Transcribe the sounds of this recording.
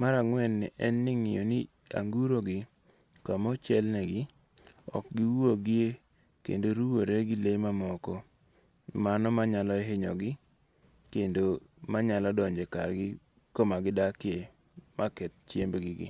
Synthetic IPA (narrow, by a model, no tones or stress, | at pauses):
maɾaŋwɛnːɪʔɛnːɪŋɪjoni | a̰ŋɡuɾoɡɪ | kamɔt͡ʃɛlnɛɡɪ | ɔ̰k̚ɡɪwoɡɪe | kḛndoɾuwoɾeɡɪlemamɔkɔ | manɔmaɲalɔɛɦɪɲɔ̰ɡɪ | kendomaɲalɔdɔɲd͡ʒeka̰rɡɪ | komaɡɪdakɪe | makɛt̚t͡ʃjembɡɪɡɪ̰